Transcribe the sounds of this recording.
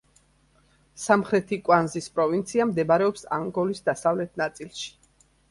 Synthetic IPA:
samχɾɛt̪ʰikʼwanzispʼɾɔvint̪sʰiamd̪ɛbaɾɛɔpsa̰ŋɡɔlisd̪asavlɛt̪̚ʰnat̪sʼilˠʃi̥

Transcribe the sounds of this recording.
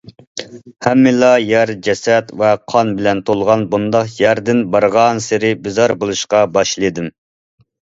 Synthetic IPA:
hɛmːɪlɑjæɾd͡ʒɛsɛt̪vɛqʰɑnbɪlɛnt̪ʰolˠʁɑnbund̪ɑqjæɾd̪ɪnbɑɾʁɑnsɪɾɪbɪzɑɾbolˠuʃqɑbɑʃlˠɨd̪ɪm

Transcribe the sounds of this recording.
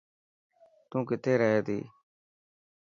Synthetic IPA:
t̪ũːkɪt̪ʰeːɾəɦeːt̪ḭː

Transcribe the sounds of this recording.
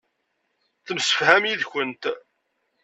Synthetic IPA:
θəmsə̥fhæmjiðçʷənt̪

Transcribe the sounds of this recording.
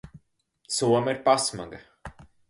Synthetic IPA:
suɔmiɾpasma̰ɡa

